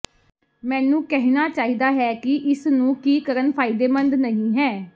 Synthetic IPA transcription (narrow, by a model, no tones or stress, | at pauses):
mɛ̃ːnũːkɛɦinaːt͡ʃaːiːd̪aːɦɛːkɪʔɪsnũːkiːkəɾənpʰaːɪd̪eːmənd̪nəɦĩːɦɛː